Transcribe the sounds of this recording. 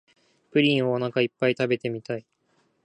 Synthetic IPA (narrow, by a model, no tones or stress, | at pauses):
pɯ̟ɾʲĩɰ̃onãkaipːait̪abe̞t̪emʲit̪ai